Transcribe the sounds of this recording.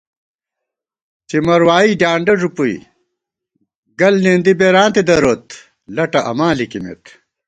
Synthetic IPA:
t͡ɕimɐɾwaːiɖaːɳɖɐʐupuḭ | ɡɐlnend̪ibeɾãːnt̪ed̪ɐɾoːt̪ | lɐʈɐʔɐ̰mãːlikimḛt̪

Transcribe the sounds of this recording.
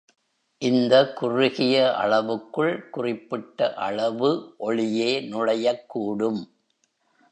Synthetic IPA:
ʔɪnd̪ɐkʊrʊɣɪjɐʔɐ̰ɭɐʋɯkːɯɭkʊrɪpːɪʈːɐʔɐ̰ɭɐʋɯʔɔɭɪjeːnʊɻɐjɐkːuːɽɯm

